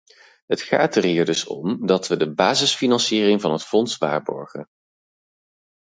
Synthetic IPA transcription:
ɦətχa̰ːtəɹɦiːɹdɵsɔ̰mdɑtʋədəbaːzəsfinɑnsiːrɪŋvɑnɦətfɔnsʋa̰ːɹbɔ̰ɹχə̰n

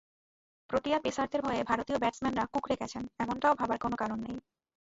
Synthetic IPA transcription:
pɾoʈijapesaɾt̪ʰeɾbʱɔeebʱaɾot̪iobɛʈsmɛnɾakukɾeɡɛt͡ɕʰenɛmoɳʈaobʱabaɾkonokaɾonːej

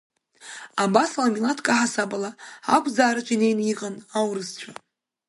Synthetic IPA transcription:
abasalamilatʰkʼaħasabalaakʷʰʼzaːɾat͡ʃʷʼine̞jniqʼanawɾɨst͡ɕʷʰa

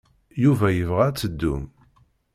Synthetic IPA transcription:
juvæjəvʁæt͡sːəd̪ːṵm

